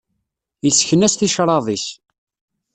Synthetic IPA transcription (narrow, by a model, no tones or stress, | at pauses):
jəsçənæsθiʃɾˤɑðˤiç